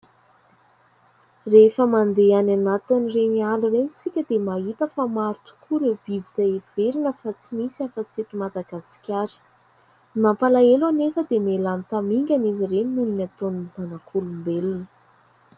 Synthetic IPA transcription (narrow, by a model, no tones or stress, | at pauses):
refəmand̪eananat̪inirenialurenit͡sikʲəd̪emait̪əfamaɾuʈ͡ʂu̥kʰuɾəviviz̥ajev̥eɾinəfat͡simisafət͡sieʈ͡ʂimad̪aɡasi̥kʲaɾi̥ | nampalaelanefəd̪emelanit̪amiŋɡʲanizireninuninat̪onumizanakʰulumbelinə